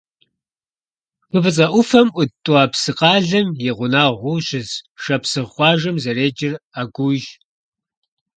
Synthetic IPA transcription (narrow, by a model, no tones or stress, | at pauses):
qəbɨt͡sʼɐʔʷʊfɐmʔʷʊtʼuaːpsɨqɑːɮɐmjɛʁʷʊnaːʁʷʊɕɪzʂɐpsɨʁχʷɑːʒɐmzɐreːd͡ʒɪraːɡʷʊʒ